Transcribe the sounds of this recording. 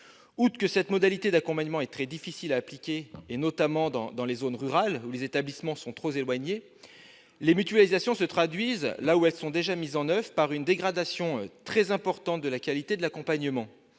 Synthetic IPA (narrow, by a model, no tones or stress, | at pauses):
ut̪kəsɛt̪mɔd̪alit̪ed̪akɔ̃paɲəmɑ̃ɛt̪χɛd̪ifisilaːplikʲeːnɔt̪amɑ̃d̪ɑ̰̃d̪ɑ̃lezonʁyʁalulezet̪ablismɑ̃sɔ̃t̪χozelwaɲe | lemyt̪ɥalizasjɔ̃sət̪χad̪ɥizlauɛlsɔ̃d̪eʒamizɑ̃nœvʁəpaʁynd̪eɡʁad̪asjɔ̃øt̪χɛzɛ̃pɔʁt̪ɑ̃t̪̚d̪əlakʲalit̪ed̪əlakɔ̃paɲəmɑ̃